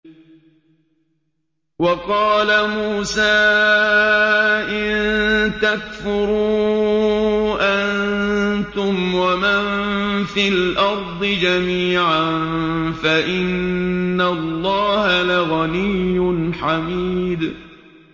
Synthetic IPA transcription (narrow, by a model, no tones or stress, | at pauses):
wɑqɑːlamuːsaː | ʔɪnt̪akfʊɾu | ʔant̪ʊmwamanfilʔɑɾˤd̪ˤɨd͡ʒamiːʕanfaʔɪnːalːɑːhalaɣanɪjːʊnħamiːd̪